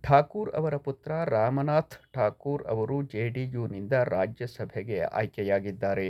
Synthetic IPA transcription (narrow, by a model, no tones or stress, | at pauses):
ʈʰaːkuːɾɐ̰ʋɐɾɐput̪ɾɐɾaːmɐnaːt̪ʰʈʰaːkuːɾɐ̰ʋɐɾud͡ʒeːɖijuːnind̪ɐɾaːd͡ʒjɐsɐbʱɛɡea̰ːjkjɐjaːɡid̪ːaːɾe